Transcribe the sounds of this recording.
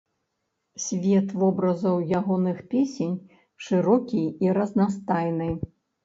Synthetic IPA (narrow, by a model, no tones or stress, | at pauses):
sʲvʲɛt̪vɔbɾɐzɐwjaɣɔnɨxpʲesʲenʲ | ʂɨɾɔkʲijiɾɐznast̪ajnɨj